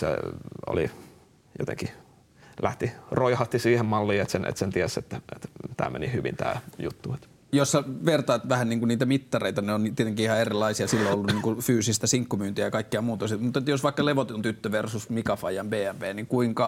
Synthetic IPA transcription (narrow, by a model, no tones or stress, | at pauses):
sḛo̰li | jo̰t̪ḛŋki | læht̪iroihɑt̪ːisiːhemmɑlːiːet̪senʔḛt̪sent̪iæset̪ːæʔet̪t̪æ̰ːmḛnihyʋḭnt̪æ̰ːjut̪ːuet̪ | josːɑʋert̪ɑːt̪ʋæhænniːŋkunniːt̪æmit̪ːɑreit̪ɑneonit̪iet̪eŋkiihɑerilːˑɑisiɑsilːoolːunniːŋkufyːsist̪æsiŋkːumyːnt̪iæjɑkɑikːeɑmuːt̪ɑsit̪mut̪et̪josʋɑikːɑleʋot̪ont̪yt̪ːøʋersusmikɑfɑjɑmbeːæmpeːniŋkuiŋkɑ